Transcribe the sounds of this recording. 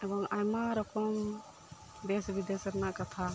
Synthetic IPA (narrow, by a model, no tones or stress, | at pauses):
ɛbɔŋajmaɾɔkʰɔm | b̪esbid̪esəɾnakat̪ʰa